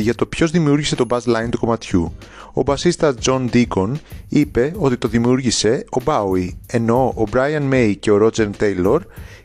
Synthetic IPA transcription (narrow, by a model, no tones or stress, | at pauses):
ʝɐt̪o̞pço̞zðimiuɾʝise̞t̪o̞bɐzlɐjnt̪uko̞mɐt̪çuo̞̰bɐsist̪ɐzd͡zo̞nd̪iko̞nipe̞o̞t̪it̪o̞ðimiuɾʝise̞o̞bɐwie̞no̞obɾɐjɐnme̞jce̞o̞ɾod͡ze̞ɾt̪e̞jlo̞ɾ